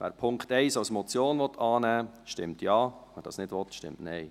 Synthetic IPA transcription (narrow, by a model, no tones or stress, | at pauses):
væ̰ːɾpʰʊŋkχtɛɪsɑwsmɔt͡sjoːnʋɔt̪ʰɑːnæːʃtɪmtʰjɑːmɛɾdɑ̰ːsnɪdʋɔt̪ʃtɪ̰mtnɛɪ